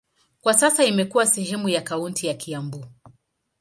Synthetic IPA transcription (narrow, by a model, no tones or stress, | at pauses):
kwasasaimɛkuwasɛɦɛmujakauntʰijakiambu